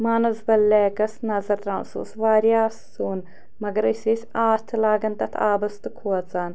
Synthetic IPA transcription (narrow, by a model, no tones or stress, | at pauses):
maːnɐzbɐlːɛːkɐsnɐzɐɾt̪ɾɐnsṵsʋaːɾjaːsːuːn | mɐɡɐɾɨsʲisʲaːt̪ʰɨlaːɡɐnt̪ɐt̪ʰaːbɐst̪ɨkʰuɔt͡saːn